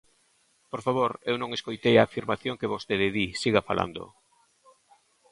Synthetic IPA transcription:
poɾfaβoɾewnõŋeskojt̪ejaːfiɾmaθjoŋkeβost̪eðeðisiɣafa̰la̰nd̪o̰

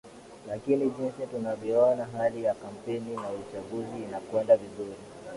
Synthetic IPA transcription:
lakiniʄɛnsitunavjɔɔnaɦalijakam̩pɛninaut͡ʃaɡuziːnakwɛndavizuɾi

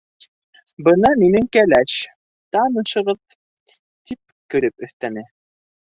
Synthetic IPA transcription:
bɤnɑminɘŋkælæʃ | t̪ɑnɤ̆ʃɤ̆ʁɤð | t̪ip̚ | kɵ̆ɾɘpɵ̆θt̪ænɘ

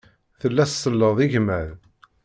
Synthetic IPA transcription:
θəlːæssəlːəðˤiʝmæð

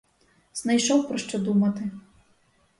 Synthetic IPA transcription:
z̥najʃɔwpɾɔʂt͡ʂɔd̪umɐt̪ɨ

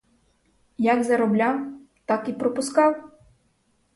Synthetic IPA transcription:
jaɡzɐɾɔblʲaw | t̪akipɾɔpʊskɑw

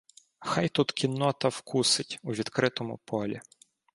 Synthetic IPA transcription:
xɑjt̪ut̪kʲinːɔt̪ɐwkʰusɪtʲuʋʲid̪kɾɪt̪ɔmʊ̰pʰɔlʲḭ

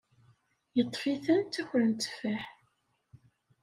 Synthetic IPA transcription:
jət̪ˤːfiθænt̪ːæçɾənt̪ːfæħ

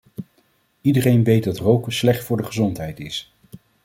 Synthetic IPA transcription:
idərejnʋejt̚dɑtrowkəslɛχtfʊːɹdəχəzɔntɦɛjtɪs

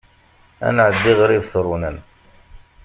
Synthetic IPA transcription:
æ̰nʕəd̪ːiʁɾivθɾˤunən

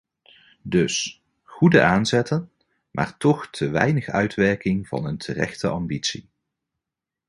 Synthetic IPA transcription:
dɵs | χudəʔaːnzɛtən | mʔa̰ːɹtɔχtʰəʋɛ̰jnəχœɥtʋɛɹkɪŋvɑ̰nəntʰərɛ̰χtəʔɑmbitsi

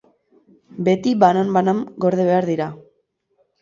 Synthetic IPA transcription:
be̞t̪iβanambanamɡo̞ɾð̞eβe̞aɾðiɾa

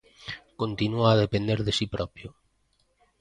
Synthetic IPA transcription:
kont̪inuaːðepend̪eɾðesipɾʔɔpjo

